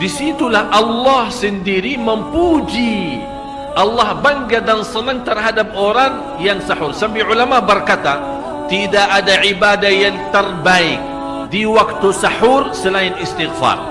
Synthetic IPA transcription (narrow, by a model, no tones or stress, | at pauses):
disit̪ulahʔɑlːɑhsəndiɾiməmpud͡ʒi | ʔɑlːɑhbaŋɡadansənəŋt̪ərɦadap̚oɾaŋ | jaŋsaħʊrsabiʕulamabərkat̪a | t̪idaʔːdaʕibadahjaŋt̪ərbaɪk̚ | diwak̚t̪usaħursəlaɪnɪst̪ɪɣfa̰r